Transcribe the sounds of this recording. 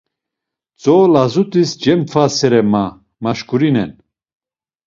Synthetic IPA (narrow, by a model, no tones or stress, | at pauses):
t͡sʼɔlazut̪ʼisd͡ʒɛmpfʰasɛɾɛma | maʃkuɾinɛn